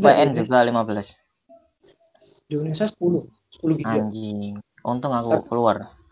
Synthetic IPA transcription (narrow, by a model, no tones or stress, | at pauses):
baʔɛnd͡ʒuɡalimabəlas | ndonesasə̥pulʊh | sə̥pulʊiaɲd͡ʒɪŋ | ʔunt̪ʊŋakukəluar